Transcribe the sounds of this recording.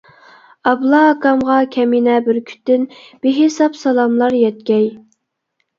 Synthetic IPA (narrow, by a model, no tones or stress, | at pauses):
ɑblˠɑːkɑmʁɑkʲʰɛminɛbɪɾkʲʰy̥t̪ːɪn | b̥eɦɪsɑpsɑlˠɑmlˠɑɾjɛt̪̚kʲɛj